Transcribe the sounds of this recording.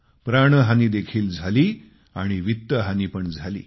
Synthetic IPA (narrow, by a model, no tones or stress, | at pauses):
pɾaɽ̃əɦaniːd̪ekʰiːld͡zʱaliː | a̰ɽ̃iʋit̪ːəɦaniːpəɳd͡zʱalḭː